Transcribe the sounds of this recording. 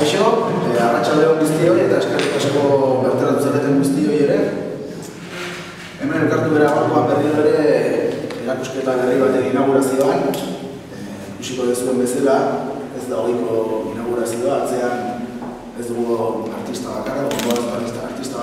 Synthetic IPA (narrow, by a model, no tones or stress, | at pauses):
ajʃo̞arat͡ʃald̪e̞oeŋɡust̪io̞je̞t̪aeskarit̪asko̞βe̞ɾt̪oɾat̪usaket̪eŋɡust̪io̞je̞ɾe̞ | e̞me̞nekaɾt̪uβe̞ɾaβaɾkuambe̞ɾðiðoeɾe̞ | eɾakuske̞t̪aβeriβ̞at̪e̞ninaɣ̞uɾasio̞ajk | ikusiko̞ðusue̞mbe̞selae̞zd̪aoɣejko̞inaɣ̞uɾasio̞aaːt͡sean | e̞zd̪uɣuaɾt̪ist̪aβa̰karaond̪oaaɾt̪ist̪a